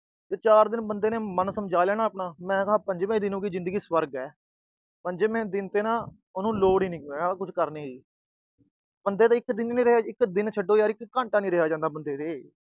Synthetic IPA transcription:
t̪eːt͡ʃaːɾd̪ɪnbənd̪eːnẽːmənsəmd͡ʒaːleːnaːpɳãːmɛ̃ːkɦãːpəɲd͡ʒmẽːd̪ɪnũːkiːd͡ʒɪ̃nd̪əɡiːsʋəɾɡɛː | pəɲd͡ʒmẽːd̪ɪnt̪eːnãː | ʊnũːloːɽiːnĩːkaːkʊt͡ʃʰkəɾneːiː | bənd̪eːt̪aːɪkd̪ɪnːĩːɾəɦaːɪkd̪ɪnt͡ʃʰəɖoːjaːɾɪkkːãːɳʈaːnĩːɾɪɦaːd͡ʒãːnd̪aːbənd̪eːt̪eː

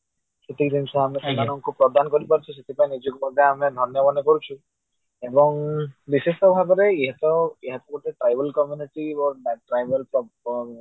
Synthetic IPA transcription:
set̪id̪ʱinsɔamesimanɔŋkupɾɔd̪ʱankɔɾipaɾut͡ʃʰɔs̬et̪ʰipaenid͡ʒɔkubʱaɡaamed̪ʱɔnjɔbɔnekɔɾut͡ʃʰu | ebɔŋbisesʈɔbʱabɔɾeiɦat̪ɔeɦat̪ɔɡuʈeʈɾajbɔlkɔmjuniʈibɔʈɾajbelpɾɔ

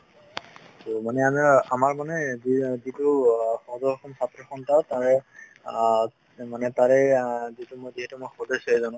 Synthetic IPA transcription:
tomanɛamiamaɹmanɛzizitʊxɔdɔɹɔxɔmsatɹɔxɔntataɹɛ | manɛtaɹɛzitumojziɦɛtumojxɔdɔseɛzɔnʊ̃

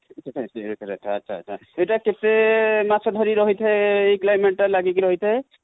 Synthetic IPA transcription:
tʰsɾot̪ʰɾɛ̰t̪ʰaaːʃʰa̰ːtːʃʰa̰ejʈaket̪emasɔd̪ʱɔɾiɾɔɦit̪ʰɛejklajmeʈ̚ːalaɡikiɾɔɦit̪ʰe

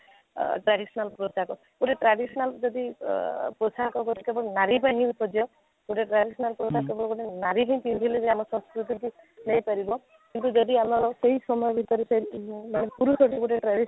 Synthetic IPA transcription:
ʈɾaɽisɔnalpɾot͡ʃakɔ | kuʈeʈɾaɖisɔnald͡ʒɔd̪ipɾosaɦkɔkɔʈ̪ikebɔenaɾipaj̃ɦpʰɔd͡ʒiɔ | kuʈeʈɾaɖisɔnalpɾosakebɔɽɔkuʈenaɾiɦẽj̃t̪ĩnd̪ʱileɔd̪amɔsɔ̃nskɾut̪iti | nɔjpaɾibɔ | kint̪ud͡ʒɔd̪iamɔɾɔseɦisɔmɔjɔbʱit̪ɔɾisemañepuɾusoʈikuʈeʈɾaɽi

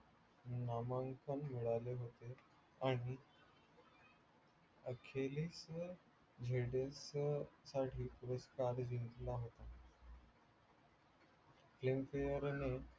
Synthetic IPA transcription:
namaŋkʰənmiɽaleɦot̪e | aɽ̃i | əkʰeliːs | d͡ʑʱeɽessaʈʰiːpuɾəskaɾd͡ʑint̪laɦot̪a | flimfejəɾne

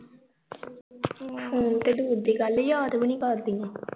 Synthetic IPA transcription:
fʰoːnt̪eːɖ̪uːɾd̪iːɡəljaːd̪bənĩːkəɾd̪iːɛ̃ː

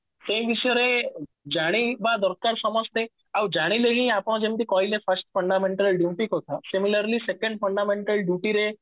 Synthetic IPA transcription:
sẽʋiʃəɾe | d͡ʒaɽ̃ibad̪ɔɾkaɾsɔmɔst̪e | awd͡ʒaɽ̃ileɦĩapəɽ̃d͡ʒẽmt̪ikɔilefʰəɾsʈfʰəɳɖamẽɳʈəlɖjuːʈikot̪ʰasimiləɾlisekə̃ɳɖfəɳɖamẽɳʈəlɖjuʈiɾe

